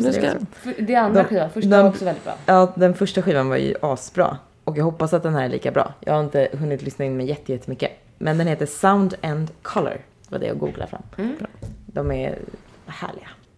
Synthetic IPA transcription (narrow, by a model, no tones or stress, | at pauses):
fd̪ɛand̪aɧiːvafœʂd̪ɛɔksɔvɛld̪ɪt̪bɾɑ̰ːɑːd̪ɛnfœʂʈaɧiːvanva̰ɾjɵ̰ʔɑːsbɾɑ̰ː | ʔɔkjɑːɡhɔpːasat̪̚d̪ɛnhæːɾɛɭḭːkabɾɑ̰ːjɑ̰ːɡhaɾɪnt̪əɦɵnːɪt̪lʏsnaɪnmɛjːɛt̪ːəjɛt̪ːəmʏkːə | mɛnd̪ɛnheːt̪əsaʊnd̪ɛnd̪kʰɔlə̰ɾ | vadɛ̰ja̰ɡuːɡla̰fɾa̰mː | d̪ɔmɛɾ | hæ̰ːɭɪɡa